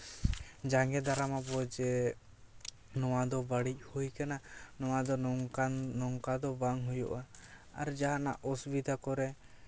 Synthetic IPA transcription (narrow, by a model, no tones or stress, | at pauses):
d͡ʒaŋɡɛd̪aɾamabɔd͡ʒɛ | nɔwad̪ɔbaɽic̚ˀhujkananɔwad̪ɔ | nɔŋkad̪ɔbaŋɦujɔ̰ʔaaɾd͡ʒaɦana̰ʔɔsbid̪ʱakɔɾɛ